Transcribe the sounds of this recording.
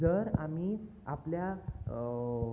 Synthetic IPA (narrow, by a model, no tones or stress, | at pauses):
əɾami | aplja